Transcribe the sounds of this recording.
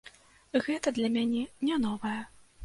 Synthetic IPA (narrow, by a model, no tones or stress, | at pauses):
ɣɛt̪ɐd̪lʲɐmʲanʲɛnʲɛnɔvɐjɐ